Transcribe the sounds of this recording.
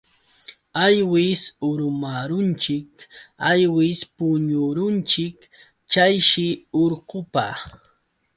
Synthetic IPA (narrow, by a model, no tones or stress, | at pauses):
ajwɪsʊɾʊmaɾʊnt͡ʃɪkajwɪspʊɲʊɾʊnt͡ʃɪk | t͡ʃajʃɪoɾɢʊpa̰